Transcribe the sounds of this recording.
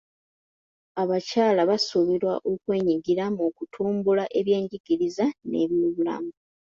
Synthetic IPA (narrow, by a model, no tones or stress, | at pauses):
aβacaːlaβasuβiɾwaʔokwe̞ːɲiɡiɾamukutʰuːmbulaʔe̞βje̞ːɲɟiɡiɾizane̞̰βjoːβula̰muu